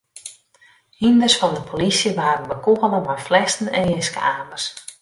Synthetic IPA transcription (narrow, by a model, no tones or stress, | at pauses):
hindərsfɑndəpʰolisjəʋaːɾənʋəkoɦələmajflɛstn̩ɛnɪskə̰aːmərs